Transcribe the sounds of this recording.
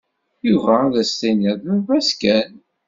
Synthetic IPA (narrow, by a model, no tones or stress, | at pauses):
juvæːðæst̪inəðuvæskæn